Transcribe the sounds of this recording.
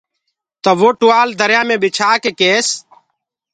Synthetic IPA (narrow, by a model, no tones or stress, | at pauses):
t̪əːʋoːʈʊːaːld̪əɾjãːmẽːbɪt͡ʃʰaːkeːkeːs